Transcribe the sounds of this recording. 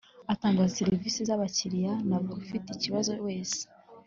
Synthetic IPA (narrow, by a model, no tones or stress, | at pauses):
ataːŋɡazseɾiviːsizaβaciɾijanaβoufiteciβazowe̞ːse̥